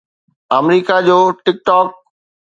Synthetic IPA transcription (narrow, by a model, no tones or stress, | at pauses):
əmɾiːkad͡ʑoːʈɪk̚ʈɔːk̚